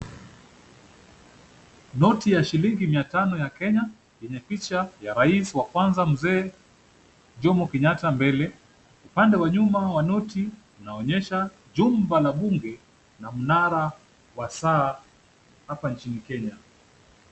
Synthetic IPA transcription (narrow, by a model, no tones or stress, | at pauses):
nɔtijaʃiliŋɡimiatanɔjakɛɲa | jɛɲɛpit͡ʃajaɾaisiwakwanzam̩zɛː | ʄɔmɔkɛɲatambɛlɛ | upandɛwaɲumawanɔti | unaɔɲɛʃa | ʄumbalaɓuŋɡɛ | nam̩naɾa | wasaː | hapant͡ʃinikɛɲa